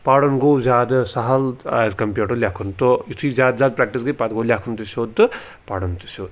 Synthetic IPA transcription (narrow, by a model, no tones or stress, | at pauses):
paːɽɐnɡowzʲaːd̪ɨsɐɦɐla̰zkɐmpʲjuʈolʲjaːkʰunt̪ojit̪ʰujzʲaːd̪zʲaːd̪̚pɾaːk̚ʈisɡɐjpaːd̪ɡowlʲakʰunt̪usʲoːd̪t̪ɨ | paːɽɐnt̪u̥sʲoːd̪